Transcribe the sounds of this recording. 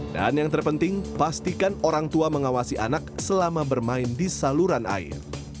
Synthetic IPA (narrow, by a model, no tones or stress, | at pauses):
da̰njaŋt̪ərpənt̪ɪŋpast̪ikanoɾaŋt̪uaməŋawasiʔa̰nak̚səlamabərmaɪndisaluɾanʔa̰ɪ̰r